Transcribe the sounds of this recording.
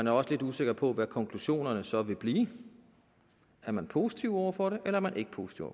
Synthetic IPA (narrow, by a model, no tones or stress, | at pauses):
mænæɐɒ̽səle̝d̥use̝ɡ̥ɐpʰɒ̽ʋækʰɒ̽ŋkʰluɕo̝̰ːnɐnəsɒ̽ʋe̝b̥liː | æɐmænpʰo̝ːsi̥t͡sʰiʊɒʊɐfɒɾe̝ʔelɐæɐmænʔe̝ɡ̥ə̥pʰo̝ːsi̥t͡sʰiʊ̰ɒ̰